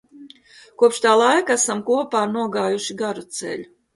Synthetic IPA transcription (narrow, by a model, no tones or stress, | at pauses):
kuɔpʃt̪aːlˠajkæsamkuɔpaːɾnuɔɡaːjuʃiɡaɾut̪sɛ̰lʲu